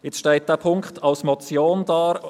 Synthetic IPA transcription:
jɪt͡sʃtɛɪt̚d̥æːpʰʊŋkχtʰɑlsmɔt͡sjoːndaːɾ

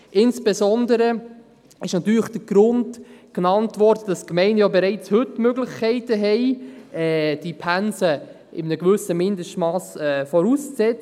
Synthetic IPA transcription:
ʔɪnsb̥ɛzɔndəɾə | ɪʃnɑt̪yːɾləχd̥əɡ̥ɾʊndknɑntʋɔɾdəd̥ɑskmɛɪnjobɛɾɛɪt͡shɵtmøɡləχkʰɛɪtəɦɛɪɛːd̥ipʰænsə | ʔɪmənəɡʋʏsəmɪndəʃtmɑːsɛːfɔɾuːst͡sɛt͡s

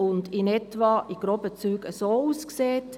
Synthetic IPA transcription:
ʊndɪnɛtʋɑʔiɡ̥ɾɔbət͡syːɡəsoːuskseːt

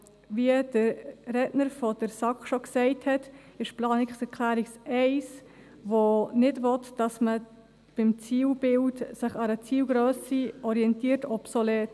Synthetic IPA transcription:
ʋiəd̥əɾɛdnəɾfod̥əɾsɑkʃoksɛɪthɛtɪʃplɑːnɪksɛɾkʰlæːɾiksɛɪs | ʋonɪdʋɔtd̥ɑsmə | b̥ɪmt͡siːlb̥ɪltsɪχɑɾət͡siːwɡɾøːsiɔɾiɛntiːtɔpsolɛːt

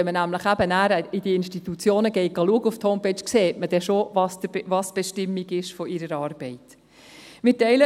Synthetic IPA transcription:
ɛmənæmləχæbənæːɾəɪdiəɪnʃtit̪ut͡sjoːnəɡɛɪt̚ɡ̥ɑluəɡufthoʊmpɛt͡ʃkseːtməd̥ɛʃovɑsvɑsb̥ɛʃtɪmːiɡɪʃfɔɪɾəɾɑːɾb̥ɛɪt | mɪtɛɪlə

